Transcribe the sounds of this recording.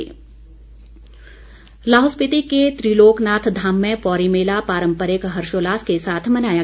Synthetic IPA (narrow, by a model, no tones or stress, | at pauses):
laːɦʊspɪt̪iket̪ɾiːloːknaːt̪ʰd̪ʱaːmːẽpɔːɾimeːlapaːɾə̃mpəɾekɦɐɾʃoːlaːskesaːt̪ʰmɐnaːjaː